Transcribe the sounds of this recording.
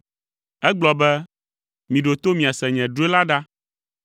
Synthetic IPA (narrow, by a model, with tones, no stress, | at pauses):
ɛ˦ɡ͡blɔ˨bɛ˦ | mĩ˨ɖo˨t̪o˦mĩ˨a˨sɛ˨ɲɛ̃˨ɖu˦e˦la˦ɖa˦